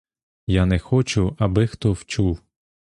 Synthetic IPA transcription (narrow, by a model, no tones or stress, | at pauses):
janɛxɔt͡ʃʊɐbɪxt̪ɔwt͡ʃuw